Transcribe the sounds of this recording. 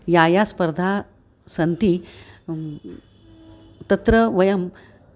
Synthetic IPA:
jajaspəɾd̪ʱa | sɐnt̪i | t̪ɐt̪ɾəʋɐjɐm

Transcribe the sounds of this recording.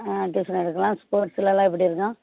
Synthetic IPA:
ʈuːsɐnɪɽɯkːɐlãːspoːʈsɪlɐlãːɪp̬ːɐɽiɪɾɯkːãː

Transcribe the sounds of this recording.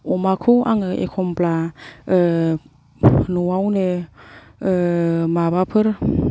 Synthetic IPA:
ɔmakʰɯaŋɯʔḛkʰɔmpla | nuwawne | maβapʰɯɾ

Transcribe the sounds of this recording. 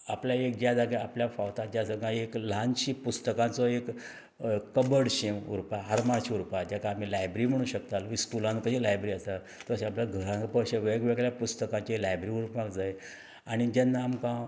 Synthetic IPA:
apljaek̚d͡ʑad͡zaɡeapljafawt̪ad͡ʑjasə̃ɡãekl̤ãnɕipust̪əkãt͡sɔekː | əbəɽɕeʋṵɾpaɦaɾmaɾɕiuɾpad͡ʑakaːm̤ilajbɾiːm̤əɽ̃ũːɕəkt̪aliskulãnkəɕilajbɾiast̪a | t̪ɔəɕeapljaɡʱəɾãkpəɕeʋeɡʋeɡɭljapust̪əkãt͡ɕelajbɾiuɾpãkd͡zaj | aɽ̃id͡ʑɛnːaːmkã

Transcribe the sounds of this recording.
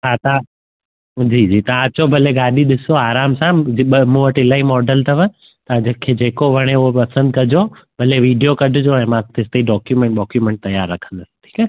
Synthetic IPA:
ɦaːt̪ɐã | d͡ʑiːd͡ʑiːt̪ɐãɐt͡ɕobʱɐleɡaːɗiɗɪsoaːɾaːmsãɓmũʋəʈɪlaːimɔːɖəlt̪ɐʋə̃ | t̪ɐãd͡ʑekʰeːd͡ʑeːkoʋɐɽ̃euɦopɐsə̃nd̪kɐd͡ʑo | b̥ʱɐleʋiːɖijokɐɖʱɪd͡ʑoɛ̃ːmãt̪ɪst̪eiɖɔːkjumẽɳʈɗɔːkjumɛ̃ːɳʈ̚t̪ɐjaːɾːɐkʰə̥̃nd̪ɐsʈʰi̥ːkɛ

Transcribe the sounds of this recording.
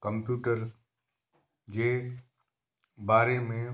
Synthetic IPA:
kə̃mpjuːʈəɾ | d͡ʑeː | baːɾemẽ

